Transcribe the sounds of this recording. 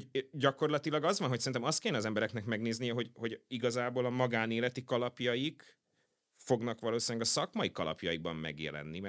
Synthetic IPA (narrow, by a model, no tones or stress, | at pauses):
ɟɒko̞rlɒt̪ilɒɡɒzʋɒnɦocsɛɾint̪ɛmɒst̪keːjɛnɛɒzɛmbɛɾɛknɛkmɛɡneːzniɦoɟho̞ɟiɡɒzaːboːlɒmɒɡaːneːlɛt̪ikɒlɒpjɒjik | fo̞ɡnɒkʋɒloːsinɡɒsɒkmɒikɒlɒ̰pjɒjiɡ̚bɒmmɛ̰ɡjɛ̰lɛ̰nːim